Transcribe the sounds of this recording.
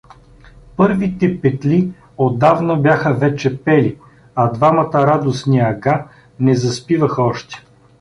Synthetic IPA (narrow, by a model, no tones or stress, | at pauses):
pɤɾvit̪ɛpɛt̪li | od̪avnobjaxəvɛt͡ʃɛpɛli | ɐd̪vamɐt̪əɾad̪osniɐɡa | nɛzɐspivɐxɔʃt̪ɛ̥